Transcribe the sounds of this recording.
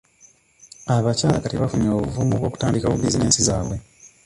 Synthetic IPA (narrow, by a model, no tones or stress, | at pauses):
aβacaːlakatiβafuɲoːβuvumuβwo̞ːku̥taːndikawṵbizineːnsiza̰ːβwe̞